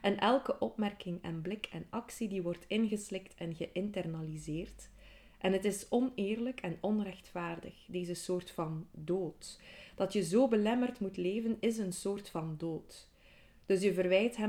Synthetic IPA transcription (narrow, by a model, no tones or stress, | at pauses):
ʔɛnʔɛlˠkəʔɔpmɛrkɪŋɛ̰nblɪkʰɛnɑksidiʋɔrtʰɪnɣəslɪktʰɛnɣəʔɪntɛrnalizeːrt | ʔɛnɦətɪsɔneːrləkɛnɔnrɛxtfaːrdə̰xdeːzəsoːrtfɑndoːtd̥ɑtjəzoːbəlɛmərtmutleːvənɪz̬ənsoːrtfɑndoːt | d̥ɵs̬jəvərʋɛjtɦɛ